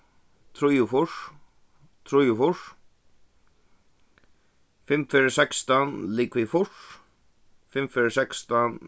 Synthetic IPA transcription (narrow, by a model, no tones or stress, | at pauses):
t̪ʰɾujʊfʊɾ̥ | t̪ʰɾujʊfʊɹ̥ | fɪmfɪɾɪsɛkst̪anliːkvɪfʊr̥ | fɪmfɪɹɪsɛkst̪an